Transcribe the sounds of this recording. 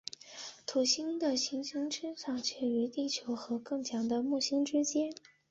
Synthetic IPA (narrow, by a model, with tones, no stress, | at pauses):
t̪ʰu˨˩ɕi˥ŋd̪ə˨ɕi˧˥ŋɕi˥ŋʈ͡ʂɻ̩˥ʂɑ˥˩ŋt͡ɕʰɥɛ˥˩y˧˥t̪i˥˩t͡ɕʰjo˧˥ʊxɤ˧˥kɤ˥˩ŋt͡ɕʰjɑ˧˥ŋd̪ə˧mu˥˩ɕi˥ŋʈ͡ʂɻ̩˥t͡ɕjɛ˥n